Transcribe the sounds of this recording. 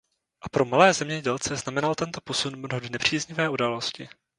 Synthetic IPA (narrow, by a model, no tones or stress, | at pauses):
ʔapɾo̞malɛːzɛmɲɛɟɛlt͡sɛznamɛnalt̪ɛnt̪o̞po̞sunmnɦodnɛpr̝̥iːzɲɪvɛːʔudaːlo̞scɪ